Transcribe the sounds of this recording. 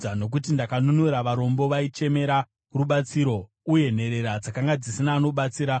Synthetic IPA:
ano̞k̬utindakanunuɾaʋaɾo̞mbo̞ʋait͡ʃe̞me̞ɾa | ruɓat͡siɾo̞ | uje̞n̤e̞ɾe̞ɾad͡zakaŋɡad͡zisinaːno̞ɓat͡siːɾa

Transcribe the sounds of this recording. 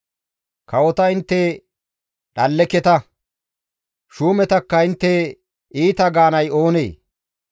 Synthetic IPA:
kɐwɔt̪ɐɪnt̪ːe | ɗɐlːɛkɛt̪ɐ | ʃuːmɛt̪ɐkːɐɪnt̪ːe | ʔiːt̪ɐɡaːnɐjo̞ːnḛː

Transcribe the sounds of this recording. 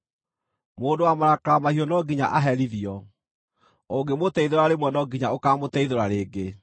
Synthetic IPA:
moːndowamaɾakaɾamahiɔnɔɡiɲa̰ʔaɦɛɾiðiɔ | oɡemotɛiðoɾaɾemwɛnɔɡiɲaokamotɛiðoɾaɾeːɡe

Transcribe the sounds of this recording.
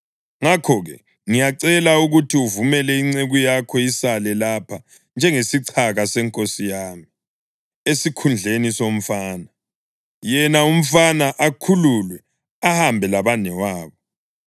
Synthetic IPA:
ŋakʰɔɣɛ̰ | ŋijaǀɛlauɣutʰiuvumɛlɛiŋ͡ǀeɣujakʰɔisalɛlapʰa | nd͡ʒʱɛŋesiǀʰaɣasɛŋkʼosijaːmi | esikʰund͡ɮʱenisom̩faːna | jɛnaum̩fanaʔakʰululwɛ | ahambʱɛlaβanɛwaːβɔ

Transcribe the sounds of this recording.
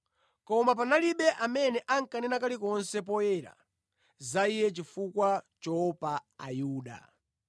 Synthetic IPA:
kɔmap̬analiɓɛʔamɛnɛʔaŋkanɛnakalikɔnsɛp̬ɔjɛɾa̰ | zaijɛt͡ʃifukwat͡ʃɔpaajuːɗa̰

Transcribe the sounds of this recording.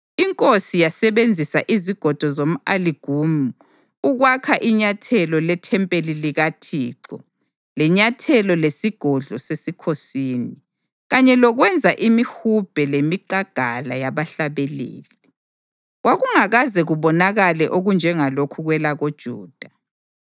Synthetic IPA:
iŋkʼosijasɛβend͡zʱisaʔiziɡ̥ʱɔd̥ʱɔzom̩aliɡ̥ʱumu | uɣwakʰaʔiɲatʰɛlɔlɛtʰɛmpʼeliliɣatʰiːǁɔ | lɛɲatʰɛlɔlesiɡ̥ʱɔɮɔsesikʰosiːni | ɣaɲɛlɔɣwɛnd͡zʱaʔimihub̥ʱɛlemiǃaɡ̥ʱala̰jaβaɬaβɛlḛːli | ɣwaɣuŋaɣazɛɣuβɔnaɣalɛʔoɣund͡ʒʱɛŋalokʰuɣwɛlaɣod̥ʒ̥ʱṵːd̥ʱa

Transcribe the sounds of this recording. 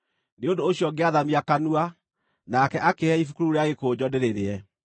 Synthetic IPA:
neondoːɕijɔɡeaðamiakanua | nakɛʔakeɛifukuɾuɾeaɣekoːd͡ʑɔdeɾeɾeɛ

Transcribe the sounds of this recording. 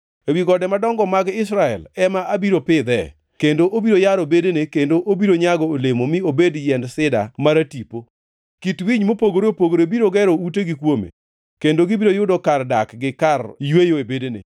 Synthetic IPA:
ewiɡɔdɛmadɔŋɡɔmaɡɪs̬ɾaɛ̰lɛmaʔabiɾopɪd̪ɛ̰ | kendoʔobiɾojaɾobedenekendoʔobiɾoɲaɡɔolemomɪobedjɛndsɪda̰maɾatipo | kitwiɲmopoɡoɾeopoɡoɾebiɾoɡɛɾout̬eɡikwomḛ | kendoɡibiɾojʊdɔkardakɡɪkarjwejoebedenḛ

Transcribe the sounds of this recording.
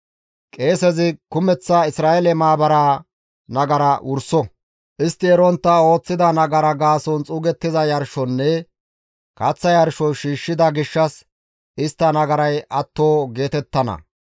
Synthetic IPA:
kʼe̞ːsɛzɪkʊmɛt͡sːaɪsɾaːɛlɛmaːbɐɾa | nɐɡɐɾɐʔʊɾsɔ | ʔɪst̪ːɪɛɾɔnt̪ːɐo̞ːt͡sːɪd̪ɐnɐɡɐɾɐɡaːsɔnt͡sʼʊɡɛt̪ːɪzɐjɐɾʃɔnːɛ | kɐt͡sːɐjɐɾʃɔʃiːʃːɪd̪ɐɡɪʃːɐs | ɪst̪ːɐnɐɡɐɾɐjʔɐt̪ːo̞ːɡe̞ːt̪ɛt̪ːɐnɐ̰

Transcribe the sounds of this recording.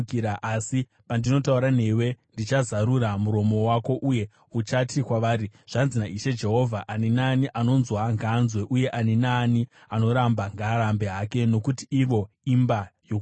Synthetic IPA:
kiɾaʔasi | pandino̞tauɾan̤e̞we̞ndit͡ʃazaɾuɾamuɾo̞mo̞wako̞ʔuje̞ | ut͡ʃatikwaʋaːɾiʐ̥anzinaiʃe̞d͡ʒe̞ɦo̞vʱaʔanenaːniʔano̞nzwaŋɡaːnzwe̞ʔuje̞ʔanenaːni | ano̞ɾambaŋɡaːɾambe̞ɦake̞no̞kutiiʋo̞ | imbajok

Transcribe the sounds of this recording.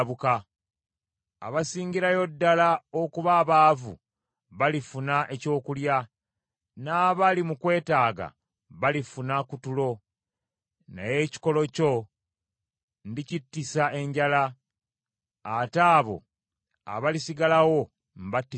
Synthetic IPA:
βuka | a̰βasiːɲɟiɾajo̞dːalaokuβaβaːvṵ | βalifunaʔe̞co̞ːkulja | naːβalimukwe̞ːtaːɡa̰ | βalifunakutulo̞ | na̰je̞ci̥ko̞lo̞co̞ | ndicitːisaʔe̞ɲɟala | taːβo̞̰ | a̰βalisiɡalawo̞ | m̩βatːi

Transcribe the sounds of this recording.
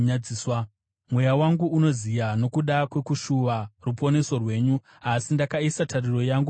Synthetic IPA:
iswa | mwe̞jawaŋɡuuno̞zijano̞kuɗakwe̞kuʃuʋarupo̞ne̞so̞rwe̞ːɲu | asindakaisatʰariro̞jaŋɡu

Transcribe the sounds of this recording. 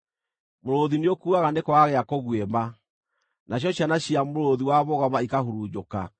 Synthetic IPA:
moɾoðineokuaɣanekɔwaɣɛakoɣwema | nʔaɕ̬jɔɕjanaɕiamoɾoðiwaβɔɣɔmaikahoɾud͡ʑoka

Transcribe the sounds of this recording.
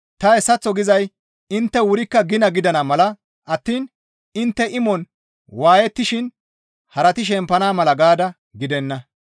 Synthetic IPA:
t̪ɐɛsːɐt͡sːɔɡɪzɐj | ɪnt̪ːɛwʊɾɪkːɐɡɪnɐɡɪd̪ɐnɐmɐlɐ | ʔɐt̪ːiːn | ɪnt̪ːɛʔɪmɔn | waːjɛt̪ːɪʃɪn | hɐɾɐt̪ɪʃ̬ɛmpɐnaːmɐlɐɡaːd̪ɐ | ɡɪd̪ɛnːɐ

